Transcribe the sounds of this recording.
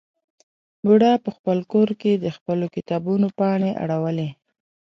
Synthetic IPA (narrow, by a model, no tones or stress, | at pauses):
buɽapəxpəlkoɾked̪əxpəlokɪt̪ɑbunopɑɳeʔa̰ɽawəle